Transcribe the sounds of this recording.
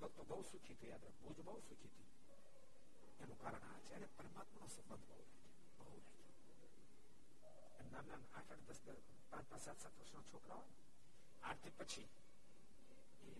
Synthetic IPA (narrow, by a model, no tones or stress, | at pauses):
ʋəɡt̪obəɦusukʰit̪ʰijaːd̪ɾəbud͡ʒbəɦusukʰit̪ʰi | enũkaɾəɳ̃a̰ʋet͡ʃʰeənepəɾəmat̪mənosəbənd̪ʱbəɦuɾɛɦd͡ʒʰe̥ | bəɦuɾɛɦd͡ʒʰe | emnamnana̰ʈʰəɽd̪əsd̪ə | pãt͡ʃpãt͡ʃsat̪sat̪ʰʋəɾsnot͡ʃʰokɾaɦoj | a̰ɾt̪ʰipət͡ʃʰi | e